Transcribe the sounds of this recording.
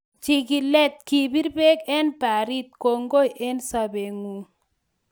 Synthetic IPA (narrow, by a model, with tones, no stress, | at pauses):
t͡ʃi˨ɡi˨lɛ˦t̪̚ki˨bi˦ɾbe˦kɛ˦npa˨ɾi˦t̪̚ko˦ŋɡo˦jʔe˦nsa˦be˨ŋu˨